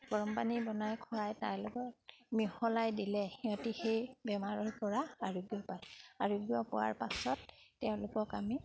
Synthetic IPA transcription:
ɡ̥ɔɹɔmpanibɔnajkʰɔajtaɹlʊɡɔt̚mihɔlajdilɛxiɔtixejbɛmaɹɔɹpɔɹaaɹuɡiɔpajaɹuɡiɔpɔ̰wa̰ɹpasɔtːɛʊ̃lʊkɔkami

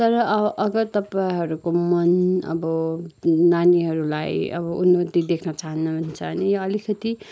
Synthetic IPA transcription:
t̪ʌɾʌʌʔʌɡʌt̪ʌpaiɦʌɾukomʌnʌ̰bʌ | naniɦʌɾulajʌ̰bʌʔunmot̪id̪ekʰnʌt͡saɦʌnːubʱunt͡sʰʌnijoʌlikʰʌt̪i

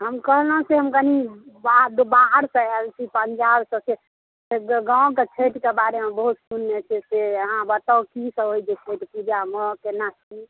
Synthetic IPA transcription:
ɦəmkəɦlɦũseɦəmkənibad̪obaɾsə̃ɛlt͡ʃʰipəɲd͡ʒabsə̃se | seɡãʊ̃ket͡ʃʰeʈkebaɾemebəɦut̪sunːet͡ʃʰeseəɦãbət̪akisə̃ɦojd͡ʒet͡ʃʰeʈpud͡ʒaməkenat͡ʃʰi

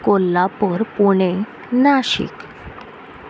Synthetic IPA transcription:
kolːapəɾpuɽ̃e | naɕḭk

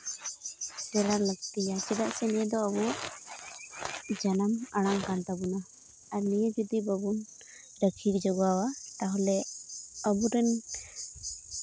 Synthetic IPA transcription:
sɛɽaləɡ̚t̪ijat͡ʃɛdaʔsɛnijəd̪ɔəbɔʔ | d͡ʒanamaɽ̃aŋkant̪abunaː | ɾnijəd͡ʒud̪ibəbun | ɾəkʰik̚d͡ʒɔɡawat̪aɦɔlɛəbuɾɛn

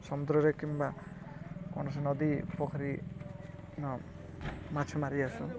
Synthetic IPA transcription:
sʌmud̪ɾʌɾekimba | kɔɳʌs̬enʌd̪ipɔkʰɔɾi | nɔ | mat͡ʃʰemaɾiasu

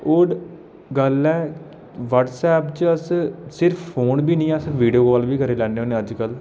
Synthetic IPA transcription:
ʊɖ | ɡəlɛː | ʋəʈsɛːpt͡ʃəssɪɾpʰpʰoːnbiːnĩːəsʋiːɖijoːkɔːlbiːkəɾeːlɛ̃ːɖeoːneːəd͡ʒkəl

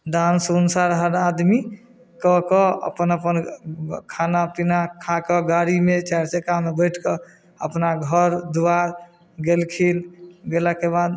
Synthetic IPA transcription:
ɖansunsaɾɦəɾad̪mi | kɔkɔə̰pənəpənkʰanapinakʰakəɡaɾimet͡ʃaɾt͡ʃekamebəjʈʰkə | əpnaɡʱəɾd̪uwaɾ | ɡelkʰilɡelakebad̪

